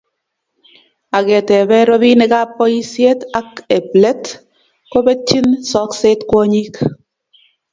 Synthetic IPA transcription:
a˨kɛ˨tɛ˨bɛ˦ɾɔ˦bi˦ne˦ka˦pːɔ˦i˦sje˦ta˦ke˨ple˦t | ko˦be˦t͡ʃːi˦nsɔ˦kse˦tkwo˦ɲi˦k

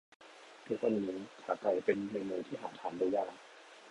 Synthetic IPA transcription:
t̪ʰu˦˥k̚wa˧nːiː˦˥kʰaː˩ka˧˩jpe˧n˧ne˧muː˧t̪ʰiː˥˩ɦaː˨˩˦t̪ʰaː˩˦ndoː˧jaː˧ŋ

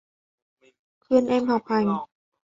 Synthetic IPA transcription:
kʰɯ˧ə˨nʔɛː˧mha˨˩wpʰa˧˩j

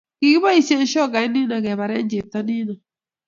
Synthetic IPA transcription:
ki˨i˦ba˦i˦se˦n̩˦ʃɔ˦˨ɡa˨˦ni˦na˨ɡɛ˨βa˨ɾɛ˦n˦d͡ʒe˨ta˦ni˦na˨

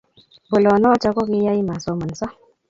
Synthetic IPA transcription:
bo˨lɔ˨nɔ˦t͡ʃa˦kɔ˦ki˦ja˦i˦ma˨sɔ˨ma˨n˨sɔ˦

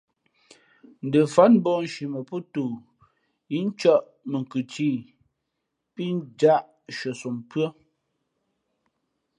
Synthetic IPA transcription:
n̩˨də˨fa˦nm˦bɔ˦˨n̩˨ʃi˨mə˨pɔ˦to˨ | i˦n̩˦t͡ʃɔ˦ʔ | mə˨ŋ˨kʉ˨ti˦˨ | pi˦n˦d͡ʒa˦ʔ | ʃə˨so˨mpɰə˦

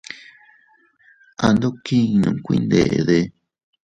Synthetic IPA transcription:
a˧nd̪o˦kĩ˦˧nũ˨kʷḭ˦˧nd̪e˨ʔðe˧

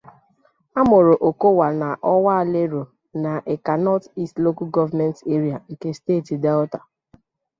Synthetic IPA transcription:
a˦mo˨ɾo˨ʔo˨ko˦wa˨na˨ʔɔ˦wa˦˨le˦ɾo˨ | na˨ʔe˨ka˨nɔ˦ti˦stlo˦ku˦ɡɔ˦va˦mɛ˦nte˦ɾi˨a˨ŋ̩˨ke˦steː˦˨ti˨dɛ˦lta˨

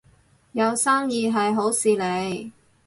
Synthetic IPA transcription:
jɐ˨˧wsaː˥ŋjiː˨˧ɦɐ˨jɦo˨˥wsiː˨˩le˨˧j

